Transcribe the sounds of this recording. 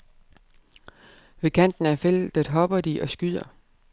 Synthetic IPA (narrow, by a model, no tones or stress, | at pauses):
ʋe̝kʰæn̰d̥n̩æɐfel̰d̥æd̥ɦɒ̽b̥ɐd̥iʔɒ̽sɡ̥yð̰ˠɐ